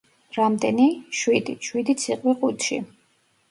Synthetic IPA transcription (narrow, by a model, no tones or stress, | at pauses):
ɾamd̪ɛniʃwid̪iʃwid̪it̪sʰiqʼwiqʼut̪ʃḭ